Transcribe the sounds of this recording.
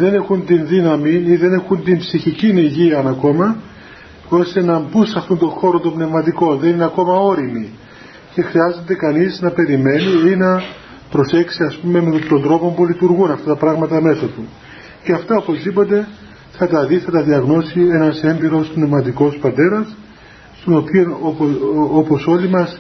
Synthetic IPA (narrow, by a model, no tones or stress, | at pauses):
ðe̞ne̞xunt̪inðinɐminiðe̞ne̞xunt̪impsiçiciniʝiɐnɐko̞mɐ | o̞st̪e̞nɐmbusɐft̪ont̪o̞xo̞ɾot̪ombne̞vmɐt̪iko̞nðe̞nineɐko̞mɐo̞ɾimi | ce̞xɾiɐze̞nd̪e̞kɐniznɐpe̞ɾime̞niinɐ | pɾo̞se̞ksiɐspume̞met̪o̞nd̪ɾo̞po̞mpulit̪uɾɣunɐft̪ɐt̪ɐpɾɐɣmɐt̪ɐme̞sɐt̪u | ceɐft̪ɐopo̞zipo̞t̪e̞ | θɐt̪ɐðiθɐt̪ɐðiɐɣno̞sie̞nɐse̞mbiɾo̞spne̞vmɐt̪iko̞spɐt̪e̞ɾɐsː | t̪o̞no̞pio̞n | opo̞so̞limɐs